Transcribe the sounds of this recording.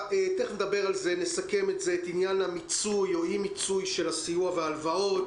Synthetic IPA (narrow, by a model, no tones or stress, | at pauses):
eteχnedabe̞ʁalze̞nesake̞metze̞ːtinjanhamit͡sujoimit͡sujʃe̞lasijuaveaːlvao̞t